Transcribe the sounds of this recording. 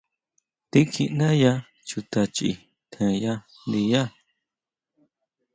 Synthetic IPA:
t̪i˦kʰi˧ʔnã˦ja˦ | t͡ʃu˧t̪a˧t͡ʃḭ˧˨ | t̪ʰẽ˧ja˦ | nd̪i˧ja˦

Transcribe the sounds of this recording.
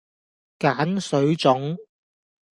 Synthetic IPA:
kaː˨˥nsɵ˨˧˥ɥt͡sʊ˨˥ŋ

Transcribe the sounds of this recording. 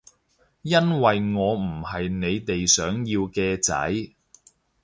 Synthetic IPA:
jɐ˥nwɐ˨jŋɔː˨˧m̩˨˩hɐ˨jne˨˧jt̪e˨jsœː˨˥ŋjiː˧wkɛː˧t͡sɐ̰˨˥j

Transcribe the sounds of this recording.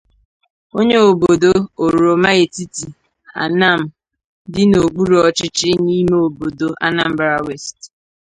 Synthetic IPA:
o˦ɲe˦o˨bo˨do˦o˨ɾu˨ɾo˨ma˦e˨ti˦ti˨ | a̰˨na˦˨m̩˨ | dɪ˦no˨ɡ͡bu˦ɾɔ˦t͡ʃɪ˦t͡ʃɪ˦ni˦me˦o˨bo˨do˨ʔa̰˦na˦˨m̩˦ba˦ɾa˦we˦˨st

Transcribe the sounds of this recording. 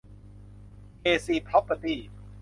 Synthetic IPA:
keː˧siː˧˩pʰɾɔ˦˥pːə˧t̪iː˥˩

